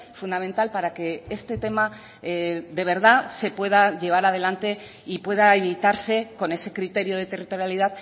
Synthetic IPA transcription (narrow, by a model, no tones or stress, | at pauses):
fund̪ament̪alpaɾake̞est̪e̞t̪e̞ma | d̪e̞β̞e̞ɾð̞ase̞pwe̞ð̞aʝe̞β̞aɾað̞e̞lant̪e̞ | ipwe̞ð̞aeβit̪aɾse̞ko̞ne̞se̞kɾit̪e̞ɾjo̞ðe̞t̪e̞rit̪o̞ɾjalið̞að